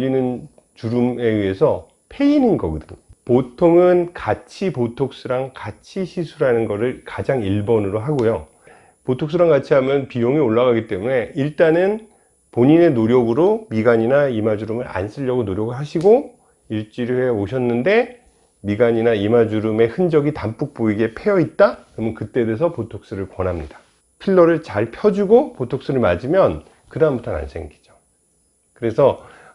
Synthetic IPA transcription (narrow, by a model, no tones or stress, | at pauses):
inɯn | t͡ɕuɾume̞iɦe̞sʰʌ | pʰe̞ininɡʌɡɯdɯɲopotʰoŋɯnkat͡ɕʰipotʰok̚s͈ɯɾaŋkat͡ɕʰiɕʰisʰuɾanɯnɡʌɾɯɭkad͡ʑaŋiɭbʌnɯɾoɦaɡojo | potʰoks͈ɯɾaŋkat͡ɕʰiɦamjʌnpijoŋioɭːaɣaɡit͈e̞mune̞iɭt͈anɯn | poɲine̞noɾjʌɡɯɾomiɡaɲinaimad͡ʑuɾɯmɯɾa̰ns͈ʰɯʎːʌɡonoɾjʌɡɯɭɦaɕʰiɡo | iɭt͡ɕ͈iɾihejoɕʰʌnːɯnde̞ | miɡaɲinaimad͡ʑuɾɯme̞hɯnd͡ʑʌɡitamp͈uk̚p͈oiɡe̞pʰejʌit̚t͈akɯɾʌmʌnkɯt͈e̞de̞s̬ʰʌpotʰok̚s͈ɯɾɯɭkwʌnɦamɲid̥ḁ | pʰiɭːʌɾɯɭt͡ɕaɭpʰjʌd͡ʑuɡopotʰok̚s͈ɯɾɯɭmad͡ʑimjʌn | kɯdambutʰʌna̰nsʰe̞ŋɡed͡ʑo̥ | kɯɾe̞sʰʌ